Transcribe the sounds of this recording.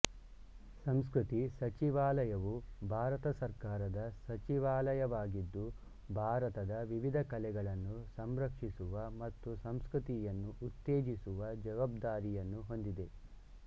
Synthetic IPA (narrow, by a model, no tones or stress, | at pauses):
sɐms̬kɾut̪isɐt͡ʃiʋaːlɐjɐʋubʱaːɾɐt̪ɐsɐɾkaːɾɐd̪ɐsɐt͡ʃiʋaːlɐjɐʋaːɡid̪ːu | bʱaːɾɐt̪ɐd̪ɐʋiʋid̪ʱɐkɐlɛɡɐɭɐnːusɐmɾɐkʂisuʋɐmɐt̪ːusɐmskɾut̪ijɐnːuʔut̪ːeːd͡ʒisuʋɐd͡ʒɐʋaːbd̪aːɾijɐnːuɦo̞nd̪id̪e̞